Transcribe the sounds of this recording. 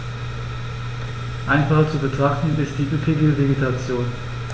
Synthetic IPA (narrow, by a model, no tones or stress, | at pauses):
ʔaɪnfat͡subətʁ̥aχtn̩ɪstd̥iːʔypʰɪɡəveɡitʰat͡sjoːn